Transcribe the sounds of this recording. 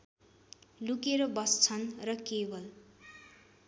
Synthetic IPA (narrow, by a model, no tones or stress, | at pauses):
lukeɾʌbʌst͡sʰʌnrʌkebʌl